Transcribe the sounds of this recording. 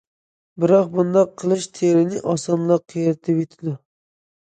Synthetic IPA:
bɪɾɑq̚bʊnd̪ɑqʰːɨlˠɪʃt̪ʰeɾɪnɪʔɒsɒnlˠɑqʰijɾɪt̪ʰɪpet̪ʰɪd̪ʊ

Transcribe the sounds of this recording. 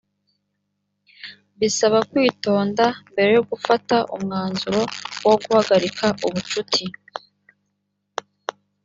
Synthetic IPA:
βisaβakwiːto̞ːndambe̞ɾe̞joɡufataʔṵmŋaːnzuɾo̞woɡuhaɡaɾikʰaʔuβut͡ʃutʰi

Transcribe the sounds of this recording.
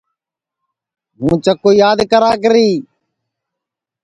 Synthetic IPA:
ɦũːt͡ʃəkːoːjaːd̪kəɾaːk̬əɾiː

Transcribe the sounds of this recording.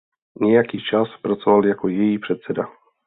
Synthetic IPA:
ɲɛjakiːt͡ʃaspɾat͡sovaljakojɛjiːpr̥ɛt̪sɛda

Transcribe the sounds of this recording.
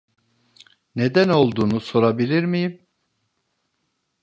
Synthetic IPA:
ne̞d̪æno̞lˠd̪uːnuso̞ɾabilʲiɾmijim

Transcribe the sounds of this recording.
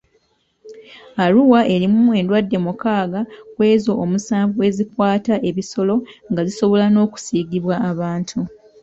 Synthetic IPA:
aluwaʔe̞ɾimue̞ndwadːe̞mukaːɡakwe̞ːzo̞ːmusaːɱvue̞zikwaːtaʔe̞βiso̞lo̞ŋɡaziso̞βo̞lano̞ːku̥siːɡiβwaːβaːntʰu

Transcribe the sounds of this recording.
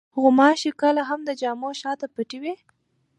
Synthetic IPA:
ɣʊmɑʃikəlaɦamd̪əd͡ʒɑmoʃɑt̪apaʈiwe

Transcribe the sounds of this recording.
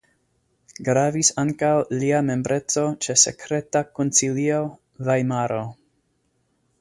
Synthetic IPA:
ɡɾavisaŋkawliame̞mbɾʔe̞t͡so̞t͡ʃe̞se̞̰kɾe̞takonsilio̞ | vajmaɾo̞

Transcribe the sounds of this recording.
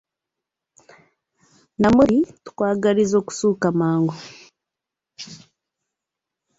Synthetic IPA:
namuɾitu̥kwaːɡaɾizo̞ːku̥suːkamaːŋɡo

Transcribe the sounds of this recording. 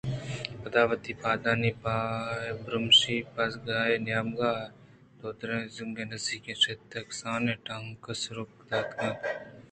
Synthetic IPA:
pɐd̪aːʋɐt̪iːpaːd̪aːnipaːebɾumʃipɐsɡaːenjaːmɡaː | d̪oːd̪ɾẽzuŋɡenɐsiːket͡ʃet̪ːɐksaːneʈaŋkɐsɾuk̚d̪aːk̪ʰnɐ

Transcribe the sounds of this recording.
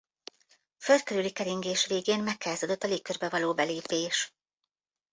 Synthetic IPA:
føld̪̚køɾylikɛɾiŋɡeːʃveːɡeːnmɛkʰːaːzod̪o̞t̪ːɒleːkːørbɛvɒloːbɛleːpeːʃ

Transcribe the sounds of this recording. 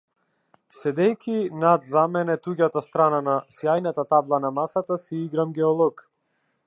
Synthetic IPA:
sɛd̪ɛjkʲinad̪zamɛnɛt̪uɡat̪ast̪ɾananasjajnat̪at̪ablˠanamasat̪asiiɡɾamɡʲɛɔlˠɔk

